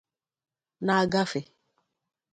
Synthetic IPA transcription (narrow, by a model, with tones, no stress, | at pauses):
na˨a˦˨ɡa˦fɪ˨